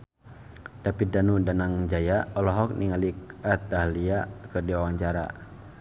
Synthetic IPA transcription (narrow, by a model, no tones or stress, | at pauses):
d̥apit̪̚danudanaŋd͡ʒajaɔlɔɦɔk̚niŋalikat̪̚dahliakɨrdiwawaɲt͡ʃaɾa̰